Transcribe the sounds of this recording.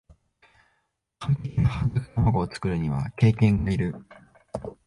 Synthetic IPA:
kat̪einahazɨkɯ̥samaɡo̞ːt͡sɨ̥kɯ̟ɾɯ̟ɲ̟iβa̰ke̞ːkẽ̞ŋɡaiɾɯ̟

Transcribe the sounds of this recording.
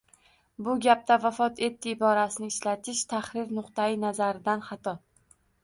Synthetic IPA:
bʊɡʲap̚t̪avafɒt̪ʰe̞t̪ʰːɪːbɒɾasɪnɪŋɪʃlat̪ʰɪʃt̪ʰaχɾɪɾnʊqt̪ajɪnazaɾɪd̪anχɑt̪ʰɒ

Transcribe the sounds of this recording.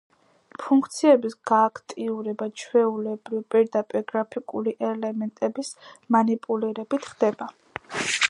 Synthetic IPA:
pʰuŋkʰt̪sʰiɛbisɡ̥aːkʰt̪ʼiuɾɛbat͡ʃʰwɛulɛbɾivpʼiɾd̪apʼiɾɡɾapʰikʼuliʔɛlɛmɛnt̪ʼɛbismanipʼuliɾɛbit̪ʰχd̪̥ɛba

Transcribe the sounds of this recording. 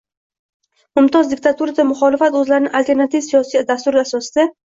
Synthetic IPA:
mʊmt̪ʰɒzd̪ɪk̚t̪ʰat̪ʰuɾad̪amʊχɒlɪfat̪ɵzlaɾɪnɪŋʔalt̪e̞ɾnat̪ivsijɒsijd̪ast̪ʊɾɪasɒsɪd̪a

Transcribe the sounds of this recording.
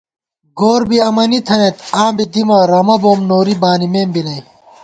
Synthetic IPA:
ɡoːɾbiɐmɐnit̪ʰɐnet̪aːmbid̪imɐɾɐmɐboːmnoːɾibaːnimeːmbinɐj

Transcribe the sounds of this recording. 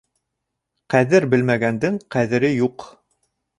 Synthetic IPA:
qæðɘɾbɘ̆lmæɡænd̪ɘŋqæðɘ̆ɾɘjuq

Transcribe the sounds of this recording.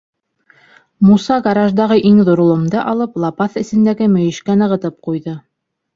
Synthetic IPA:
musɑɡɑɾɑʒd̪ɑʁɤʔiŋðuɾŏlˠŏmd̪ɤʔɑlˠɤplˠɑpɑθɘ̆sɘ̆nd̪æɡɘmɵ̆jɘ̆ʃkænɤ̆ʁɤ̆t̪ɤp̚qujðɤ

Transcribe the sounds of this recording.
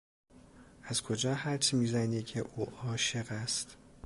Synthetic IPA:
ʔæzkʰo̞d͡ʒɒːhæɾt͡ʃʰimiːzæniːcʰe̞ʔuːʔɒːʃe̞ɣæst̪

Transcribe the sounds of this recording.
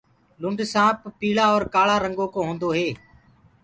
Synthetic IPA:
lʊ̃ɳɖsãːppiːlaːɔːɾkaːɭaːɾəŋɡoːkõːɦõːnd̪oːɦeː

